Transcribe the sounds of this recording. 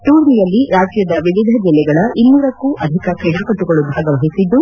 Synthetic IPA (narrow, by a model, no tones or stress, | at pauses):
ʈuːɾnijɐlːiɾaːd͡ʒjɐd̪ɐʋiʋid̪ʱɐd͡ʒilːɛɡɐɭɐʔinːuːɾɐkːuʔɐd̪ʱikɐkiːɖɐkɐʈːuɡɐɭubʱaːɡɐʋɐɦisid̪ːu